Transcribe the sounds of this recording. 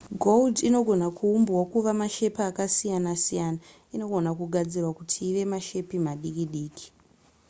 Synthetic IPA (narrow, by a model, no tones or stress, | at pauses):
ɡʱoldino̞ɡʱo̞nakʰuumbwakuʋamaʃe̞paːkasijanasijana | ino̞ɡʱo̞nakuɡʱad͡zirwakutʰiːʋe̞maʃe̞pimaɗikiɗiːki̥